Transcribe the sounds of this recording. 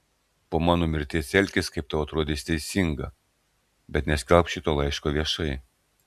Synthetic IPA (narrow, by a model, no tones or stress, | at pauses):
poːmɑːnoːmʲɪɾʲt̪ʲiːsʲɛlʲkʲɪskɐɪpt̪ɐɐt̪ɾoɔd̪ʲeːsʲt̪ʲɛɪsʲɪŋɡɐ̰ | bʲɛt̪nʲɛsʲkʲɛlˠpʃʲɪt̪oːlˠɐɪʃkoːʋʲiɛʃɐɪ